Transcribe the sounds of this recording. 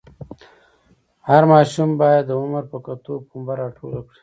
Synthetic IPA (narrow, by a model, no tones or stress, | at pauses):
haɾmɑːʃumbɑːjad̪ːəʊməɾpəkɐt̪opumbaɾɑːʈʰo̰lakɽi̥